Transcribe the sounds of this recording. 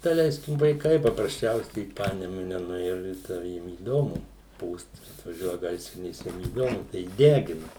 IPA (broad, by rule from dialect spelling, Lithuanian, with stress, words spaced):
dɐˈlʲɛɪsʲkʲɪm ʋɐɪˈkɐɪ pɐprɐsʲˈt͡ʃʲɛʊsʲɛɪ ɪ ˈpɑːnʲɛmʊnʲɛ nʊˈeːjʊ ɪr ˈtʲɛn ˈjiɛm iːˈdoːmʊ ˈpuːst ɐtʋɐˈʒʲuɔjɛ ˈɡɐɪsʲrʲɪnʲeːs ˈjiɛm iːˈdoːmʊ tɐɪ ˈdʲæːɡʲɪnɐ